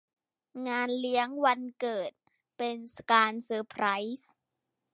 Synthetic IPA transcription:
ŋaː˧nli˦˥əŋwa˧nkɤː˨˩t̪̚ | pe˧nskaː˧nsɤː˧pʰɾa˦˥js

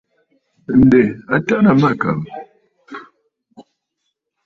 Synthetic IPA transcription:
n̩˨dɛ˨a˦ta˦ʔna˨ma˦˨ka̰˨m

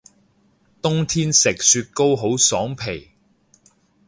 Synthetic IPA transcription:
t̪ʊ˥ŋt̪ʰiː˥nsɪ˨k̚syː˧t̚ko˥wɦo˨˥wsɔː˨˥ŋpʰe˨˩j

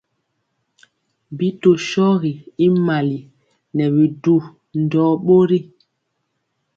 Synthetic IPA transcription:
bi˦to˨ʃɔ˦ɣi˨i˦ma˨li˨ | nɛ˨bi˨du˨ | n̩˨dɔː˨˦ɓo˦ɾi˦

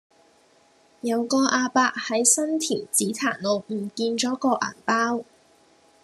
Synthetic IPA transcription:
jɐ˨˧wkɔː˧ʔaː˧paː˧k̚hɐ˨˥jsɐ˥nt̪ʰiː˨˩nt͡siː˨˥t̪ʰaː˨˩nlo˨wm̩˨˩kiː˧nt͡ʃɔː˨˥kɔː˧ʔa̰ː˨˩npaː˥w

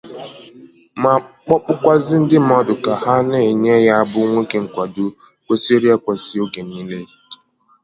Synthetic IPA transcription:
ma˨k͡pɔ˦k͡pʊ˦kʷa˦zɪ˦n̩˦dɪ˦m˦ɔ˦dʊ˨ka˨ha˦ne˨ɲe˦ja˦a˦bʊ˦ŋʷe˦ke˨ŋ̩˨kʷa˨dʊ˨ | kʷe˦se˦ɾi˦a˦kʷa˨sɪ˦o˦ɡe˨ni˦le˦

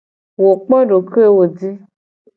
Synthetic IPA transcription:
wo˨k͡pɔ̃˦ɖo˨ke˦wo˨di˦

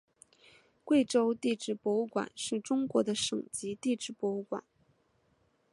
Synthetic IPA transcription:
kwe˥˩ɪʈ͡ʂo˥ʊt̪i˥˧ʈ͡ʂɻ̩˥˩pwɔ˧˥u˥˩kwa̰˨˩˦nʂɻ̩˥˩ʈ͡ʂʊ˥ŋkwɔ˧˥d̪ə˧ʂɤ̰˨˩ŋt͡ɕi˧˥t̪i˥˧ʈ͡ʂɻ̩˥˩pwɔ˧˥u˥˩kwa̰˨˩˦n

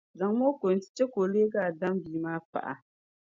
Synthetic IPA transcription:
za˨ŋmo˦kʷo˨n˦ti̥˦t͡ʃe˦ko˨leː˦ɡaː˨da˦mbiː˨maː˦pa̰˦ʔa̰˨

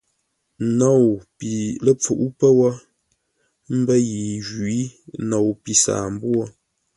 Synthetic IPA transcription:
nɔ˨wpi˨lə˦p͡fu˨ʔu˦pə˦wɔ˦ | m̩˦bə˦ji˨ʒi˦no˨wpi˨sa̰ː˨m̩˦bwɔ˦

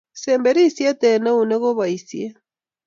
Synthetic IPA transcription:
sɛːmbɛɾi˦sjɛ˦tɛ˨na˦une˦ɣo˦βa˨isje˦

